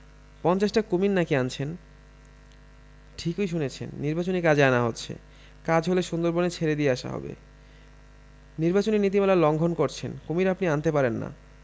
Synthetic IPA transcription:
pɔnt͡ɕaʃʈakominakiant͡ɕʰen | ʈʰikojʃ̬unet͡ɕʰḛnːiɾbat͡ɕonikad͡ʑanaɦotːɕʰḛ | kad͡ʑʱɦoleʃund̪oɾbonet͡ɕʰeɾed̪ieaʃa̰ɦɔ̰bḛ | niɾbat͡ɕoninit̪̬imalalɔŋɡʱonkoɾt͡ɕʰenkomiɾapniant̪epaɾenːa̰

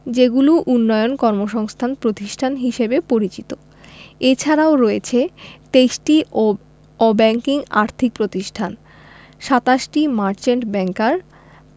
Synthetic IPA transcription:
d͡ʑeɡuluʔunːɔjonkɔɾmoʃɔŋst̪ʰanpɾot̪iʃʈʰanɦiʃebepoɾit͡ɕit̪o | et͡ɕʰaɾaoɾɔet͡ɕʰet̪ejʃʈi | ɔbɛŋkiŋa̰ɾt̪ʰik̚pɾot̪iʃʈʰan | ʃat̪aʃʈimaɾt͡ɕeɳʈbɛŋkaɾ

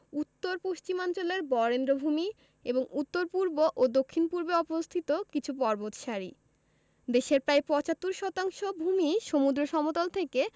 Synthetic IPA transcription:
ut̪ːoɾpoʃt͡ɕimant͡ɕoleɾbɔɾend̪ɾobʱumi | eboŋut̪ːoɾpuɾboʔod̪okʰːinpuɾbeɔpost̪ʰit̪okit͡ɕʰupɔɾbot̪ʃaɾḭ | d̪eʃeɾpɾaepɔt͡ɕat̪ːuɾʃɔt̪aŋʃobʱumiʃomud̪ɾoʃɔmot̪olt̪ʰeke

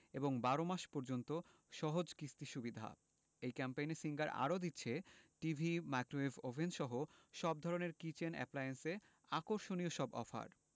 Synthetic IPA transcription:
eboŋbaɾomaʃpɔɾd͡ʑont̪o | ʃɔɦod͡ʑkɾist̪iʃubid̪ʱa̰ | ejkɛmpajnesiŋɡaɾa̰ɾod̪itːɕʰeʈibʱimajkɾoefofʰenʃɔɦoʃɔb̚d̪ʱɔɾoneɾkit͡ɕenɛ̰plajense | akoɾʃonioʃɔbɔ̰fʰa̰ɾ

